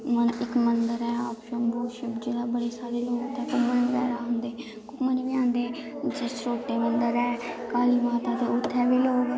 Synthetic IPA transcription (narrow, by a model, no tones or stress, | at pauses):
mənɪkmənd̪əɾɛːɔːpʃə̃nboːʃəbd͡ʒeːɽaːbəɽeːsaːɾeːloːɡt̪ɛːkʊmənɡɛːɾaːɦʊnd̪eː | kʊmənʋɪãːnd̪eːd͡ʒesɾoːʈːeːmənd̪əɾɛːkaːliːmaːt̪aːt̪eːʊt̪ʰːɛːʋiːloːɡ